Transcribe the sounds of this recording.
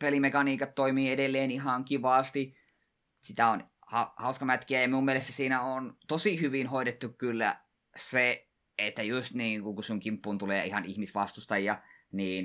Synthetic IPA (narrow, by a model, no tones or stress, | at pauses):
pelimekɑniːkɑt̪toimiːedelːeːnihɑŋkiʋɑːst̪i | sit̪æon | hɑhɑuskɑmæt̪kiæjɑmiumielest̪æsiːnæoːnt̪osihyʋinhoiɾet̪ːukkylːæ̰ | se | et̪ːæjust̪niːŋkuŋkusuŋkimpːuːnt̪uleːihɑnihmisʋɑst̪ust̪ɑjjɑniːn